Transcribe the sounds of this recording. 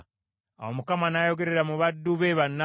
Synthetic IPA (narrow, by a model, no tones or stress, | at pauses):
a̰womukamanaːjo̞ɡe̞ɾe̞ɾamuβadːuβeβanːa